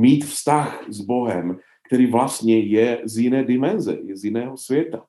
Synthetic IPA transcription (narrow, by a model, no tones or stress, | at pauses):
miːt̪fst̪axzbo̞ɦɛm | kt̪ɛɾiːvlast̪ɲɛjɛzjɪnɛːdɪmɛnzɛ̰jɛzjɪnɛːɦosvjɛt̪a